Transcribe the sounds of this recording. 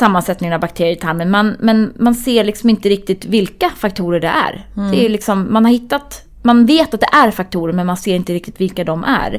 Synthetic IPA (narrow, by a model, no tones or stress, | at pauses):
samːansɛt̪nɪŋənavbakt̪ʰeːɾɪjət̪ʰaɾmənmanmɛnmanseːɾɭɪksɔmɪnt̪əɾɪk̚t̪ɪt̪vɪlkafakt̪ʰuːɾəɖɛ̰ʔæ̰ɾd̪ɛælɪksɔmːanhaɾhɪt̪ːat̪ | manveːt̪at̪̚d̪ɛʔæɾfak̚t̪ʰuːɾəɾmɛnmanseːɾɪnt̪əɾɪk̚t̪ɪt̪vɪlkad̪ɔmʔæ̰ɾ